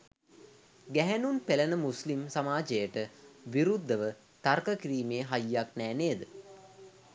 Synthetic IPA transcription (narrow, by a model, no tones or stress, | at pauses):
ɡæɦænunpelənəmuslimsamaːd͡ʒejəʈəʋiɾud̪ːəʋə | t̪arkəkiɾiːmeəɦajːaknæːneːd̪ə